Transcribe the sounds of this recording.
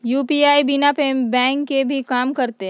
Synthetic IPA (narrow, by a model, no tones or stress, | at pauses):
juːpiːaːibɪnapẽbɛ̃ːŋkːebʱikaːmkɐɾt̪eɦ